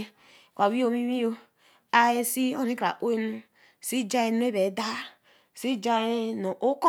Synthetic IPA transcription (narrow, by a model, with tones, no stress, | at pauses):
kʷa˨wi˦o˦mi˦mi˦o˦ | a˦e˦si˦o˦ni˦ka̰˨ʔo˦e˦nu˦˨ | si˦d͡ʒa˦je˦n˦e˦be˨˦da˦˨ | si˦d͡ʒa˦e˦no˨ʔo˦ko˦